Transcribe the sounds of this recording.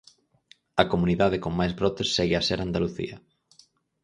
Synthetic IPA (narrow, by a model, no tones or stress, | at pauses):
ɐkomuniðaðekoŋmajzβɾɔt̪esːɛɣɪaseɾand̪aluθḭɐ